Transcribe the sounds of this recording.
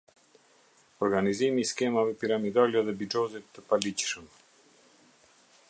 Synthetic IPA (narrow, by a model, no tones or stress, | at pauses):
ɔɾɡanizimiːskɛmavɛpiɾamid̪alɛðɛbid͡ʒɔzit̪ːəpalicʃəm